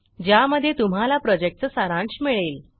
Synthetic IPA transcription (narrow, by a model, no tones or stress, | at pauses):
d͡ʑjaməd̪ʱːjet̪um̤alapɾɔd͡ʑek̚ʈ̚t͡səsaɾãɳsmiɭeːl